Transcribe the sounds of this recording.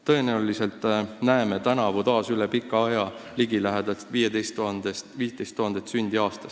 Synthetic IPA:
t̪ɤ̞e̞neuliselt̪ˑnæemet̪ænɑvut̪ɑːsylepikːɑɑjɑliɡ̥ilæɦed̪̥ɑvijed̪e̞jst̪ːuɑnd̪est̪viːst̪ejst̪ːuhɑnd̪et̪synʲd̪̥iɑːst̪ɑ̥s

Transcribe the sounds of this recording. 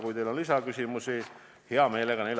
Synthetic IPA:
kujt̪ejlonlisɑkysʲimusi | heɑmeːleɡɑnejl

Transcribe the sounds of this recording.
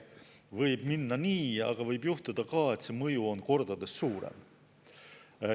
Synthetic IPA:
vɤjb̥minːɑniːɑ̰ɡ̥ɑvɤjbjuht̪ud̪̥ɑkɑːe̞t̪se̞mɤjuo̞nko̞rd̪̥ɑd̪̥e̞sːuːɾḛm

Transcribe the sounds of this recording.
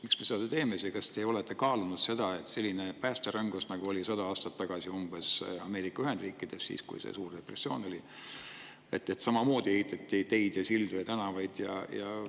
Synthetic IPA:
miksmeseɑd̪et̪e̞ːmesikɑst̪e̞o̞let̪ːˑe̞kɑːlunud̪̥se̞d̪̥ɑe̞t̪se̞lʲːine̞pæːst̪eɾɑŋɡusnɑɡ̥uo̞lʲisɑd̪̥ɑɑːst̪ɑt̪ːɑɡ̥ɑsiumb̥e̞sɑme̞ːɾikːˑɑyɦe̞nd̪̥riːkˑːid̪̥e̞ssḭːskṵjsḛsuːrd̪̥e̞pre̞sːio̞ːno̞lʲi | e̞t̪ːˑe̞t̪sɑmɑmo̞ːd̪̥iehit̪ːˑɑt̪ˑːit̪e̞jd̪̥jɑsild̪̥ujɑt̪ænɑvɑjd̪̥jɑ̰jɑ̰

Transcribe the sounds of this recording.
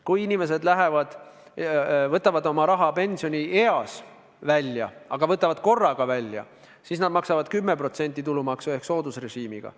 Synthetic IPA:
kujinʲime̞s̬e̞d̪læɦe̞vɑd̪̥ | vɤt̪ːˑɑvɑd̪o̞mɑɾɑɦɑpe̞nʲsio̞nʲie̞ɑs | vælʲjɑ̰ɑɡ̥ɑvɤt̪ːˑɑvɑd̪̥̚ko̞rːɑɡ̥ɑvælʲjɑ̰ | siːsnɑd̪mɑksɑvɑd̪̥kymːe̞pro̞t̪se̞nʲt̪ːˑit̪ulumɑksue̞hkso̞ːd̪usre̞ʒiːmiɡ̥ɑ̰

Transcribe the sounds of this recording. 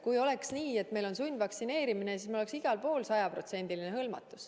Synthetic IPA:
kujo̞le̞ksniːe̞t̪me̞jlo̞nsunʲd̪vɑksine̞ːɾiminesismiloleksiɡ̥ɑlpo̞ːlsɑjɑpro̞t̪se̞nʲd̪ilineɦɤlmɑ̰t̪ːˑus

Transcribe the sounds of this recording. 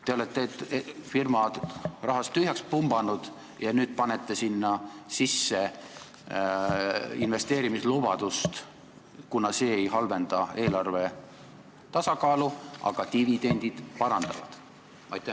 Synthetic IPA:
t̪e̞o̞let̪ːˑe̞t̪ːfirmɑrɑɦɑst̪ːyɦjɑkspumb̥ɑnud̪̥ | jɑnyːd̪̥̚pɑnet̪ːˑesinːɑsisːe̞ | inve̞st̪e̞ːɾimislubɑd̪̥ust̪ | kunɑse̞ːejɦɑlve̞nd̪̥ɑe̞ːlɑrve̞ | t̪ɑsɑkɑːluʔɑ̰ɡ̥ɑt̪ivid̪e̞nʲd̪̥id̪̥pɑɾɑnd̪̥ɑ̰vɑ̰d̪̥ | ɑ̰jt̪ːˑæ

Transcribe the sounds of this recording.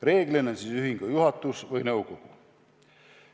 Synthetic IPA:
re̞ːɡlennsiːsyɦiŋɡ̥ɑjuɦɑt̪ːˑusvɯjnɤwkoɡ̥u

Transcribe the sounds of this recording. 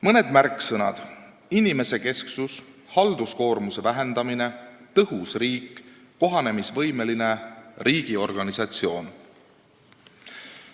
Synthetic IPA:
mɤne̞d̪̥mærkːˑsɤnɑ̰d̪̥ | inime̞se̞ke̞sksus | hɑld̪usko̞ːrmuse̞væɦe̞nd̪̥ɑmine̞t̪ɤɦusriːkː | o̞ɦɑne̞misvɤ̞jme̞line̞riːɡ̥io̞rɡ̥ɑnisɑt̪sio̞ːn

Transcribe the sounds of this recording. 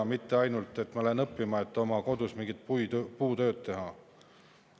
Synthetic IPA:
ɑmit̪ːe̞ɑjnult̪ːˑe̞t̪ːmɑlenɤpˑːimɑe̞t̪ːˑo̞mɑko̞d̪̥usmiŋɡit̪̚pujpuːt̪ø̞ːd̪t̪e̞ɦɑ

